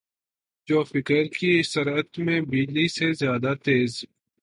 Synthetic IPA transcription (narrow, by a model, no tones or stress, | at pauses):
d͡ʒoːfɪkəɾkisəɾət̪mẽbiːlisezjaːd̪at̪eːz